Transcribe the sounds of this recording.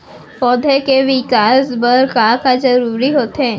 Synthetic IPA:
fɔːd̪ʱekeʋɪkaːzbəɾkaːkad͡ʒɐɾuːɾiɦoːt̪ɦẽː

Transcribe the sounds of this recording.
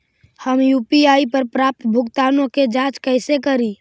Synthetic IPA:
həmjuːpiaːipəɾpɾaːp̚t̪bʱʊkt̪aːnõked͡ʒãːt͡ʃkəɪsekəɾiː

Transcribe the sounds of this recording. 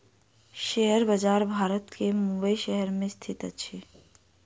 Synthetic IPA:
ʃɛɦəɾbəd͡ʒaːɾbʱaːɾət̪kemʊ̃mbəiʃɛɦəɾmẽst̪ʰit̪ət͡ʃʰi

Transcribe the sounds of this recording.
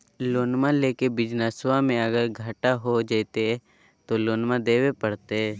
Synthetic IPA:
loːnmãleːkebɪd͡ʒnəswãmẽɐɡəɾɡʱəʈaɦod͡ʒat̪eɦɛ | t̪oloːnmãd̪eːwepəɽ̤t̪eɛ

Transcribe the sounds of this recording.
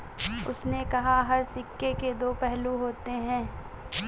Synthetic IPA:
ʊ̰snekɐɦaɦɐɾsɪkːeked̪oːpɛɦluɦoːt̪eɦɛ̃ː

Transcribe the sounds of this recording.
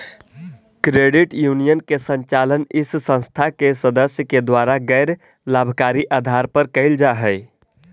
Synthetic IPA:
kɾeɖiʈjunijənkesə̃ɲt͡ʃalənissə̃ñst̪ʰakesəd̪əsjəked̪waɾaɡəɪɾ | labʱkaɾiʔad̪ʱaɾpəɾkəɪld͡ʒaɦəɪ

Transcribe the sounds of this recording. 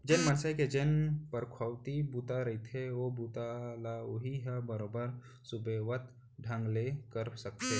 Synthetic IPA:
d͡ʒenmənsəjked͡ʒenpəɾkʰwaʋt̪ibut̪aɾɐit̪ʰeobut̪alaoɦiɦabəɾobəɾ | subeʋət̪ | ɖʱãŋɡlekəɾsək̚t̪e

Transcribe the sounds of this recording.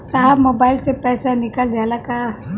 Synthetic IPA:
saɦbmobailsepɛːsanikald͡ʒalaka

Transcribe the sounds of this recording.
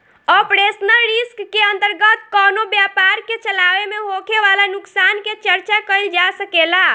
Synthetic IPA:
ɔpɾesnəlɾiskːeənt̪əɾɡət̪kɔnobjapaɾket͡ʃəlaʋemeɦokʰeʋalanuksanket͡ʃəɾt͡ʃakəjld͡ʒasəkela

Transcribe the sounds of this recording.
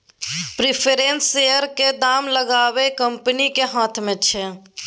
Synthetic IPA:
pɾɪpʰeɾensejəɾked̪aːmləɡaːwekəmpənikeɦaːt̪ʰmẽt͡ʃʰɛ

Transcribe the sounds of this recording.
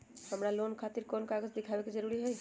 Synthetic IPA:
həmɾaloːnkʰaːt̪ɪɾkoːnkaːɡəd͡ʒd̪ɪkʰaːʋekid͡ʒɐɾuɾiɦɛj

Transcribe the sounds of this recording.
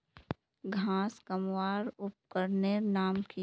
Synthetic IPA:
ɡʱãːskəmwaːɾʊp̚kəɾnenaːmki

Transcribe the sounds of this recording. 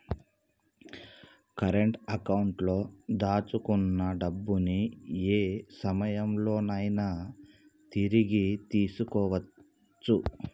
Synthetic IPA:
kɐɾeɳʈɐkɐwuɳʈlo̞ːd̪aːt͡ʃukunːɐɖɐbːunieːsɐmɐjɐmlo̞ːnɐjnaː | t̪iɾiɡit̪iːsukɔːʋɐ | t͡ʃːu

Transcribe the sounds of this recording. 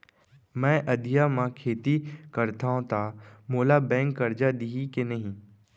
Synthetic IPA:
mɛ̃ːʔɐd̪ʱijamãkʰeːt̪ikɐɾt̪aːõt̪ʰamoːlabɛ̃ːŋkːɐɾd͡ʒad̪iɦikenɐɦĩ

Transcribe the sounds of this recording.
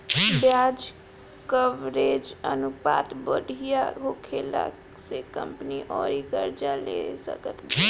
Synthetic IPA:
bjaːd͡ʒ | kəʋɾeːd͡ʒənupa̰ːt̪bəɽʱijaɦoːkʰeːla̰ | sekə̰̃mpniʔɔːɾikəɾd͡ʒalḛsə̰kət̪

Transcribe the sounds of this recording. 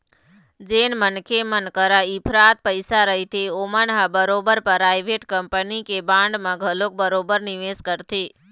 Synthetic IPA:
d͡ʒeːnmənkʰemənkəɾaipʰɾaːt̪̚pəɪsaɾəɦit̪ʰeoːmənɦãbəɾoːbəɾpəɾaːjʋʱeʈkəmpənikebãːɳɖmãɡʱəlok̚bəɾoːbəɾnɪʋeːskəɾt̪ʰeː

